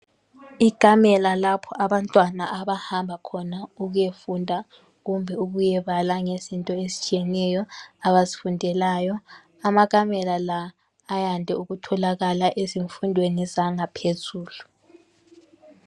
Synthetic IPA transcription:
ikʼamɛlalapʰɔʔaβantʼwanaʔaβahambʱakʰɔnauɣujefundʱa | ɣumbʱɛuɣujɛβalaŋezintʼɔesi̥t͡ʃʼijɛnɛjɔaβazi̥fundʱɛlaːjɔ | amak̬ʼamɛlalaː | jandʱɛuɣutʰɔlaɣalaʔeziɱfundʱwenizaŋapʰezuːlu

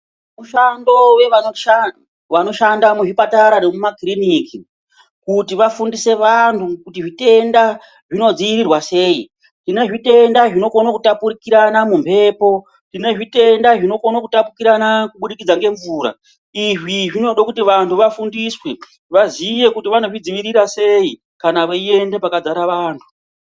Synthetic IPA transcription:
muʃando̞wea | wano̞ʃandamuʐipataɾane̞mumakriniki | kutiʋafundise̞ʋantʰukutiʐite̞nda | ʐino̞d͡ziːɾirwase̞ːi | tine̞ʐite̞ndaʐino̞konokutapuɾikiɾanamumpʰe̞ːpo̞ | tine̞ʐite̞ndaʐino̞konokutapukiɾanakuɓuɗikid͡zaŋɡe̞ɱvuːɾa̰ | iʐiʐino̞ɗokutiʋantʰuʋafundiswe | ʋazije̞kutiʋano̞ʐid͡ziʋiɾiɾase̞i | kanaʋeie̞nde̞pakad͡zaɾaʋaːntʰu̥

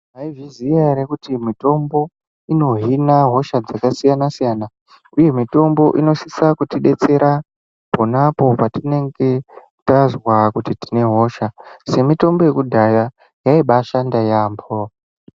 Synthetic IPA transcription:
aiviziaɾekutimito̞mbo̞ | ino̞ɦinaɦo̞ʃad͡zakasijanasijaːna | uje̞mito̞mbo̞ʔino̞sisakutiɗe̞t͡se̞ɾa | ponapo̞patine̞ŋɡe̞ | tazwakutiti̥ne̞ɦo̞ʃase̞mito̞mbo̞je̞kudʱaja | jaiɓaʃandajaːmbo

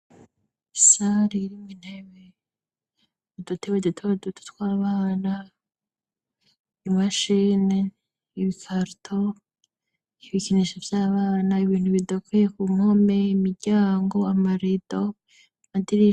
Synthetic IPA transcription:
isaɾiɾimŋin̥heβe | udutewedutʰewadutu̥twaːβaːna | niβaʃine | iβikʰaɾutʰo | iβikiniʃav̥jaːβaːnaiβiːn̥huβidakwejekuŋo̞meimiɾɟaːŋɡo̞amaɾido | madiɾi

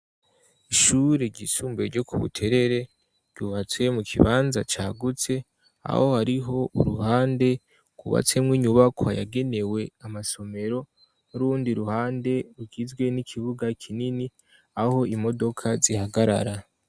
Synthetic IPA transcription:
iʃuːɾeɟisuːmbe̞ɾɟo̞kṵβṵtʰe̞ɾe̞ɾe̞ | ɾɟuβat͡swe̞mukʰḭβaːnzat͡ʃaːɡut͡se̞ | a̰ho̞haɾiɦo̞uɾuhaːnde̞ | ɡ̥uβa̰t͡se̞mŋiːɲuβakʰoaja̰ɡe̞ne̞we̞amaso̞me̞ɾo̞ | nuɾuːndiɾuhaːnde̞ɾuɡizɡwe̞nikʰiβuɡakʰinini | aho̞imo̞do̞kʰazihaɡaɾa̰ɾa

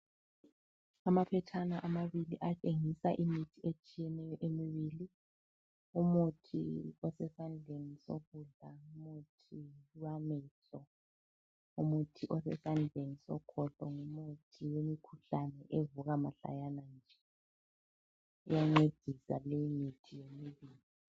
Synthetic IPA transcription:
amapʰɛtʰanaʔamaβiliʔat͡ʃʼeŋisaʔimitʰiet͡ʃʼijɛnɛjɔʔemiβili | umutʰḭɔsɛsand͡ɮʱeniso̰ɣuɮaumutʰiwamɛɬɔ | umutʰiʔɔsɛsand͡ɮʱenisɔ̰kʰɔɬɔŋumutʰiwemikʰuɬanɛʔevuɣamaɬa̰janand͡ʒʱɛ | ṵjaŋ͡ǀed̥ʱisa̰lejimitʰijemiβiːli

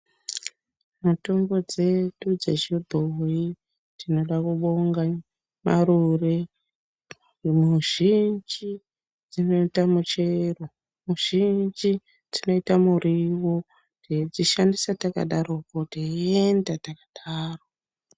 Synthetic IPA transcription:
muto̞mbo̞d͡ze̞ɗud͡zeʒibʱoi | d͡zino̞ɗakuɓo̞ŋɡa | ma̰ɾure | muʒ̥ind͡ʒi | d͡zino̞itamut͡ʃero | muʒ̥ind͡ʒi | d͡zino̞itamuriwo̞ | ded͡ziʃandisataka̰ɗaɾokotiendatakaɗaːro

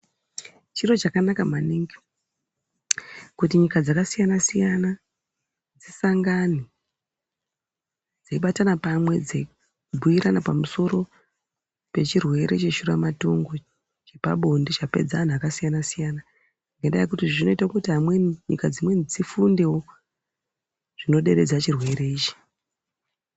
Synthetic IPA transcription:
t͡ʃiro̞t͡ʃakanakamaniŋɡi | kut̬iɲikad͡zakasijanasijana | d͡zisaŋɡani | d͡zeiɓatanapamwe̞d͡ze | bʱuiɾanapamuso̞ɾo̞ | pe̞t͡ʃirwe̞ɾe̞t͡ʃeʃuɾamato̞ŋɡo̞ | t͡ʃepa̰ɓo̞ndit͡ʃape̞̰d͡zaːn̤uakasijanasijana | ŋɡenda̰jekutiʐino̞itakutiɦamwenɲḭkad͡zimwe̞nid͡zifunde̞wo̞ | ʐ̥ino̞ɗe̞ɾe̞d͡zat͡ʃirwe̞ɾe̞iːt͡ʃi̥

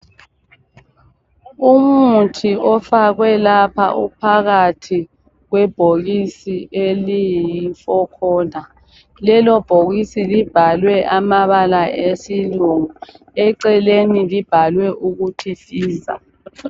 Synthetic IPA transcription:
umutʰiʔɔfaɣwɛlapʰa̰ʔṵpʰaɣatʰi | ɣwɛb̥ʱoɣisielijifɔkʰɔːna | lɛlɔb̥ʱoɣisilib̥ʱalwɛʔamaβalaesiluŋu | ɛǀɛlenilib̥ʱalwɛʔuɣutʰifiːza̰

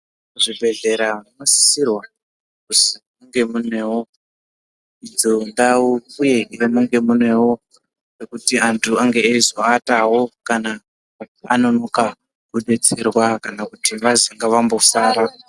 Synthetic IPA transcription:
uʐibʱe̞ɮe̞ɾanosi̥sirwa | kusimuŋɡe̞munwe̞wo | id͡zondauuje̞irimuŋɡe̞munwe̞wo̞ | rekutiantʰuaŋɡeːizoataɦo̞kana | a̰no̞no̞ka | kuɗe̞t͡se̞rwakanakutiʋaziŋɡaʋambo̞saːɾa

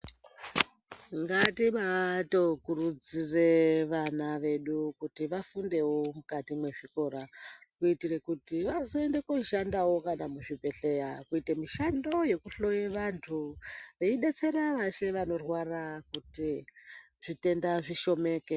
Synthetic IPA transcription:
ŋɡatimato̞kurud͡zire̞ʋanaʋe̞ɗukutiʋafunde̞wo̞mukatimwe̞ʐiko̞ɾakuitire̞kutiʋazoe̞nde̞koiʃandawo̞kanamuʐibʱe̞ɬe̞jakuitemiʃando̞je̞kuɬo̞jeʋantʰuʋeiɗe̞t͡se̞ɾaʋaʃe̞ʋano̞rwarakuti | ʐ̥ite̞ndaʐiʃo̞me̞ke

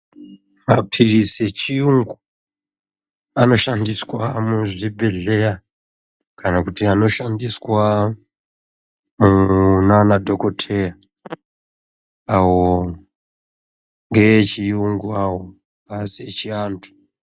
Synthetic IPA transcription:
mapʰirise̞t͡ʃiuŋɡu | ano̞ʃandiswamuʐibʱe̞ɮe̞ja | kʰanakutiano̞ʃandiswa | munanadʱo̞ko̞tʰeja | awo | ŋɡe̞t͡ʃiuŋɡuawo | aset͡ʃiaːntʰu̥

